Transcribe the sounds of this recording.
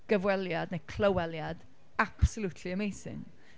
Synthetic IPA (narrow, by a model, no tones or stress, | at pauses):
ɡ̥əvwɛlˠjadnejkʰl̥əwɛlˠjad̥ | ab̥səlˠutʰliəmejsɪ̰n